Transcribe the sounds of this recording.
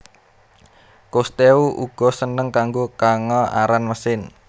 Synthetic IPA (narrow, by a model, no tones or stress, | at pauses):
kost̪euʔuɡ̥ɔ̤sənəŋkaŋɡokaŋɔa̰ɾanməsɪn